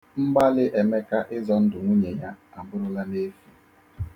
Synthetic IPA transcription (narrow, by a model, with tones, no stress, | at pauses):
m̩˦ɡ͡ba˦lɪ˦ʔe˨me˦ka˦ʔɪ˦zɔ˦n̩˦dʊ˨ŋʷu˦ɲe˨ɲa˦a˨bʊ˦ɾʊ˦la˦ne˦fi˦